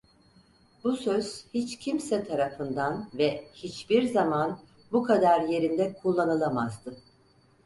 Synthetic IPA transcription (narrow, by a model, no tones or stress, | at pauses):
busøz̥hit͡ʃcʰimsɛt̪ʰaɾafɯnd̪anvɛhit͡ʃbiɾzaman | bukʰad̪aɾje̞ɾind̪ɛkʰulˠːanɯlˠamazd̪ɯ